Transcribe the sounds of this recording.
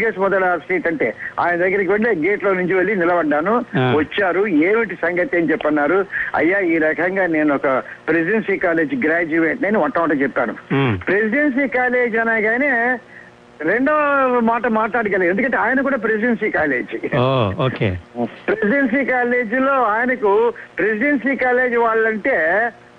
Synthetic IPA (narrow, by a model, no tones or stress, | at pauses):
ɡeːsmɔd̪ɐɽasʈeːʈɐɳʈe̞̰ːa̰ːjnɐd̪ɐɡːɐɾɐk̬iʋeɭːeɡe̞ːʈlo̞ːnuɲt͡ʃuʋeɭːinilɐbɐɖːaːnuʋɐt͡ʃːaːɾueːmiʈisɐŋɡɐt̪iɐnit͡ʃɛpːɐnːaːɾuɐ̰jːaːiːɾɐkʰɐŋɡaːne̞ːnuɔkɐpɾesiɖensiːkaːle̞ːd͡ʒiɡɾaːd͡ʒuʋeːʈneniʋɐʈːɐmaːʈ̬ɐt͡ʃɛpːa̰ːnṵpɾesiɖens̬iːkaːle̞ːd͡ʒɐnaːɡaːneː | ɾe̞ɳɖoːmaːʈɐmaːʈlaːɽiɡɐlːe̞nd̪ukɐɳʈeaːjɐnɐk̬uːɽaːp̬ɾesiɖens̬iːkaːle̞ːd͡ʒiooːkḛpɾesiɖens̬iːkaːle̞ːd͡ʒilo̞ːaːjɐnɐkupɾesiɖensiːkaːle̞ːd͡ʒiʋaːɭːɐɳʈeː